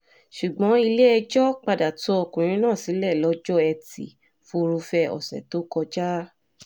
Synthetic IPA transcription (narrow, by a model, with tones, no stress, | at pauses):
ʃu˨ɡ͡bɔ̃˨˦i˧le˦ɛ˧d͡ʒɔ˦k͡pa˧da˨to˦ɔ˧kũ˨ɾ̃ĩ˨˦nãː˦˨si˨˦lɛ˦˨lɔ˨˧˦d͡ʒɔ˦ɛ˧tḭ˨ | fo˧ɾu˧fɛ˧ɔ̰˨sɛ̰˨to˨˦kɔ˧d͡ʒa˦